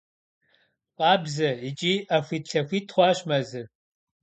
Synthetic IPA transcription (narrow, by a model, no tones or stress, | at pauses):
qʼɑːbzɐit͡ʃʼiʔafʷitɬʰɐfʷitʰχʷɑːʃmɐzɨr